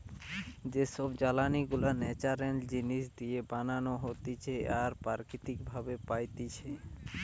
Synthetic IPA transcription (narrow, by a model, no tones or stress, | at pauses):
d͡ʑeʃɔbd͡ʑalaniɡulanɛt͡ɕaɾend͡ʑiniʃd̪iebananoɦot̪it͡ɕʰeaɾpaɾkit̪ikbʱabepajt̪it͡ɕʰe